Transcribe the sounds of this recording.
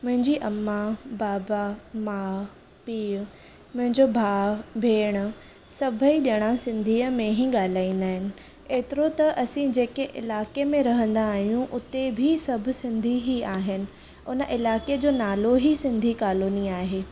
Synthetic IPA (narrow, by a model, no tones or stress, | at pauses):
mʊ̃ɦɪ̃ɲd͡ʑiʔɐmːabaːbamaː | piːʊ | mʊ̃ɦɪ̃ɲd͡ʑobʱaːbʱeːɽ̃ə | sɐbʱəiɗiɽ̃asɪ̃nd̪ʱiːəmẽɦiɠaːl̤aːĩːn̆d̪aːɦɪnɪ̆ | eːt̪ɪɾot̪ɐʔɐsĩd͡ʑeːkeʔɪ̰laːkemẽɾɐɦə̃nd̪aːɦijũʔʊt̪ebʱisɐbʱʊ̆sɪ̃nd̪ʱiɦiaːɦɪnɪ̆ | ʊnəʔɪlaːked͡ʑoːnaːloɦisɪ̃nd̪ʱikaːluːniaːɦeː